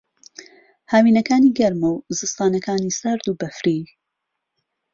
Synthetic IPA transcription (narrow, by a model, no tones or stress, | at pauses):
haːwiːnɐkaːniːɡɐɾmowzɨst̪aːnɐkaːnisɐɾd̪uːbɐfɾi